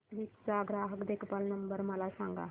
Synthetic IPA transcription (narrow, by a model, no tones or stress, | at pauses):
ʋit̪t͡saɡɾaɦəkd̪ekʰpalnəmbəɾməlasãŋɡa̰